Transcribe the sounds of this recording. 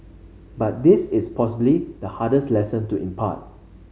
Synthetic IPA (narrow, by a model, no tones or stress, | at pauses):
bat̚dɪsɪspʰɔsəblidəhadəslɛsə̃ntuʔḭ̃mpʰa̰t̚